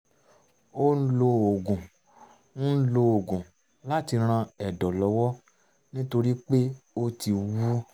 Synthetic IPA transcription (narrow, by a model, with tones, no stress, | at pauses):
o˦n̩˦lo˧o˨ɡũ˨ | nũ˦n̩˦lo˧o˨ɡũ˨ | la˦ti˧ɾ̃ã˧ɛ˨dɔ˨lɔ˨˦wɔ˦ | nĩ˦to˧ɾi˦k͡pe˦o˧ti˧wu˦